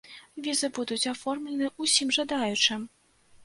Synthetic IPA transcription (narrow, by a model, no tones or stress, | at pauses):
vʲizɨbud̪ut͡sʲafɔrmlʲɛnɨʔusʲimʐad̪ajut͡ʂɨm